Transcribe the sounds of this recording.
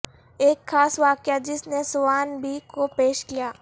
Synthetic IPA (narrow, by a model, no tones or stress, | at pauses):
eːkxaːsʋaːkjad͡ʒɪsnesʊʋaːnbʱikopeːʃkijaː